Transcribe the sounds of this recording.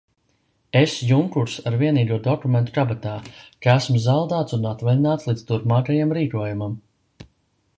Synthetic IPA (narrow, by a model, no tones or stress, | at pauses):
esjuŋkuɾsaɾviɛniːɡuɔd̪ɔkument̪u̥kabat̪aːkaæsmuzawˠd̪aːt̪sunat̪vɛlʲinaːt̪slˠiːd̪st̪uɾpmaːkajamɾiːkuɔjumam